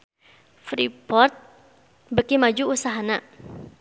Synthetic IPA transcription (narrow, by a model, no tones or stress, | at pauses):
fɾipɔrt̪̚ | bəkimad͡ʒuusaɦana